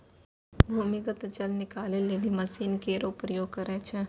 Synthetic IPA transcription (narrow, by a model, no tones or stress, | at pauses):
bʱuːmɪkət̪d͡ʒɐlnɪkaːleleːlimɐsiːnkeːɾopɾjoːɡkəɾɛt͡ʃʰe